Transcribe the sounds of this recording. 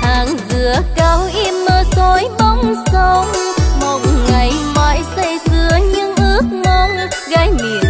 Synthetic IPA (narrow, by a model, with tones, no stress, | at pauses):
haː˨˩ŋzɨ˧˩˨əkaː˨˧˦wʔi˧mnəː˧zo˨˦jɓə˧wŋ͡msə˨˦wŋ͡mmo˨˩t̚ŋa˨˩jmaː˨˦jsə˧˩jzɨ˨˩əɲɨ˧ŋʔɨ˦˥ək̚ŋɔ˧nɣa˧˦jmi˨˩˨ən